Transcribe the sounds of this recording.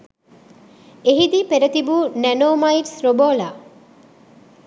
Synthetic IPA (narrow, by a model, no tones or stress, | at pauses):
eɦid̪iːpeɾɐt̪ibunænoːmaiʈsɾoboːlaː